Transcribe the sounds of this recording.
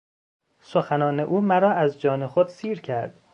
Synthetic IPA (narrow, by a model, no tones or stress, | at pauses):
soxænɒːne̞ʔuːmæɾɒːæzd͡ʒɒːnexod̪siːɾcʰæɾd̪̥